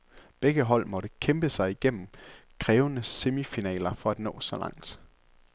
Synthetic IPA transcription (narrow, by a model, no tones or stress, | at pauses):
b̥eɡ̥əɦɒ̽l̰mɒ̽ɾ̥əkʰemb̥əsɑ̈ɪiɡ̥en̰m̩kʰʁɛːʊənəse̝mifinɛ̰ːlɐfɒ̽æd̥nɔ̰̽ːsɒ̽lɑ̈ŋ̰d̥